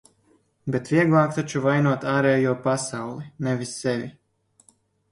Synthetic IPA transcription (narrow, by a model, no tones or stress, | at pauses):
bet̪vʲiɛɡlˠaːkt̪at͡ʃuvajnuɔt̪aːɾɛːjuɔpasawlˠinɛvisːɛvʲi